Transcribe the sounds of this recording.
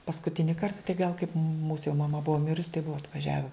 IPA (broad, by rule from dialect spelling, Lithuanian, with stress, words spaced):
pɐskʊˈtʲɪnʲɪ ˈkɐrtɐ tɐɪ ɡɐlˠ kɐɪp muːs jɛʊ mɐˈmɐ ˈbʊɐ ˈmʲɪrʊs tɐɪ ˈbʊɐ ɐtʋɐˈʒʲæːʋʲɛ